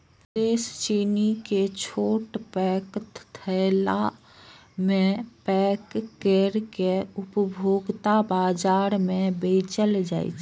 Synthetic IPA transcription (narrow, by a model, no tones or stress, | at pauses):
pɾeːst͡ʃiːniket͡ʃʰoːʈpɛːkt̪t̪ʰɛla | mẽpɛːkːeɾkeʊpbʱoːɡt̪abaːd͡ʒaːɾmẽbeːt͡ʃəld͡ʒa̰ːḭt͡ʃ